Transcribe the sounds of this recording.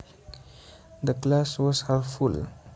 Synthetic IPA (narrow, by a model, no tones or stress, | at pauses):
d̪əklaswɔzhɛlful